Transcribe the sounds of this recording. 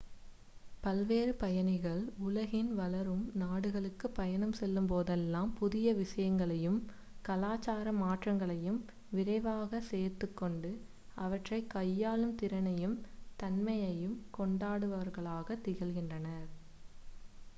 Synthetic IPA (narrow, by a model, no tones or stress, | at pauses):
pɐlʋeːɾɯpɐjɐnɪɣɐɭʊlɐɣɪnʋɐlɐɾɯmnaːɽɯɣɐɭɯkːɯpːɐjɐnɐmsɛlːɯmpoːðɛlːaːmpʊðɪjɐʋɪʂɐjɐŋɡɐɭɐjɯm | kɐlaːt͡ʃːaːɾɐmaːʈrɐŋɡɐɭɐjɯm | ʋɪɾɐɪʋaːɣɐseːɾt̪ːɯkːɔɳɖɯ | ɐʋɐʈrɐɪkːɐjːaːlɯmt̪ɪɾɐnɐjɯmt̪ɐnmɐjɐjɯmkɔɳɖaːɽɯʋɐʋɐɾɣɐɭaːɣɐt̪ːɪɣɐlɣɪndrɐnɐɾ